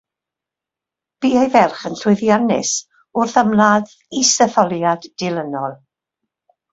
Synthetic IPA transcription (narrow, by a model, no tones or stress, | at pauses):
b̥iːejvɛlˠχənɬwʊɨðjanɪ̰s | ʊrθamlað | isɛθɔlˠjad̥ːɪlˠənɔlˠ